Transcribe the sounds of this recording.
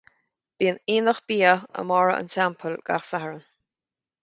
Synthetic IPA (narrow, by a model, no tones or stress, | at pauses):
b̥iːəniːnəxb̥iːəə̰mɔɹəʔə̰ntʰɛmpʰəlɡ̥a̰xsahəɹən